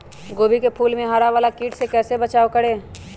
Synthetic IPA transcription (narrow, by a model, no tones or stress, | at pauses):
ɡoːbikepʰuːlmẽɦaːɾaʋaːlakiːʈsekɛːsebət͡ʃaːokəɽeː